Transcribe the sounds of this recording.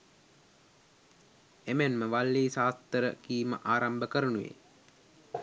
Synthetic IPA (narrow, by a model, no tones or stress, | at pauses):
emænməʋalːiːsaːst̪əɾəkiːməʔaːɾambəkəɾənuʋḛ